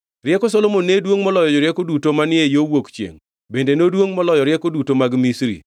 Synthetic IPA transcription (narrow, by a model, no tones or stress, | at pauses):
ɾjɛkɔsɔlomonːedwoŋmɔlɔjɔd͡ʒɔɾjɛkodutomanɪejowokt͡ʃjḛŋ | bendenodwoŋmɔlɔjɔɾjɛkodutomaɡmisɾḭ